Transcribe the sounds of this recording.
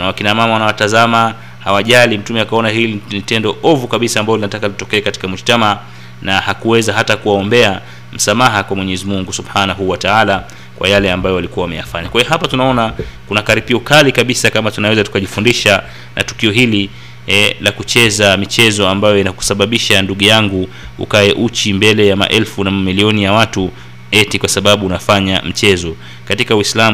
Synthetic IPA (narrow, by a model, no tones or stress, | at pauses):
nawakinamamawanawatazama | hawaʄalim̩tumɛakaɔnaɦilinitɛndɔʔɔvukaɓisaːmbajɔlinatakalitɔkɛːkati̥kamuʃtama | nahakuwɛzaɦatakuwaɔmbɛa | m̩samaɦakwamwɛɲɛzimuŋɡusubħanaɦuːwataala | kwa̰jalɛambajɔalikuwawamɛjafaɲakwaiɔɦapatunaɔnakunakaɾipiɔkalikaɓisakamatunawɛzatu̥kaʄifundiʃa | na̰tu̥kiɔɦili | lakut͡ʃɛzamit͡ʃɛzɔambajɔinaku̥saɓaɓiʃanduɠujaŋɡu | ṵkaɛʔut͡ʃimbɛlɛjama̰ʔɛlfunamamiliɔnijawatu | ɛtikwasaɓaɓuunafaɲam̩t͡ʃɛzɔ | katikawislam